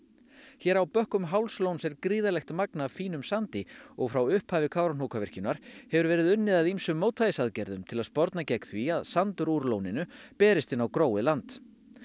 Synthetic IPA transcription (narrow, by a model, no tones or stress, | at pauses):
çɛːɾawpœhkʏmɦawlslownsɛɾkɾiːðalɛxt̪maknaːfiːnʏmsant̪ɪɔɣfɾawʏhphaːvɪkʰaːwɾanukʰavɛr̥cɪnaɾ̥hɛvʏɾvɛːɾɪðʏnːɪðaðimsʏmːoːwt̪vajɪsaðcɛɾðʏmt̪ʰɪlaðspɔɾt̪nacɛkθviaðsant̪ʏɾuɾlownɪnʏpɛːɾɪst̪ɪnawkɾoːwɪlant̪